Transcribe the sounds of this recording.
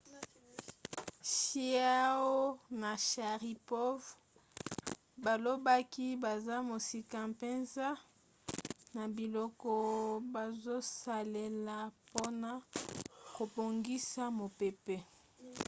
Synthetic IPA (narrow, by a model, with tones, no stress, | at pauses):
ʃi˦a˦wo˦na˨ʃa˨ʁi˨po˦v | ba˨lo˦ba˦ki˦ba˨za˦mo˨si˨ka˨mpe˦nza˦ | na˨bi˨lɔ˦kɔ˦ba˨zo˦sa˨le˨la˨po˦na˦ | ko˨bo˨ŋɡi˦sa˦mo˨pe˨pe˦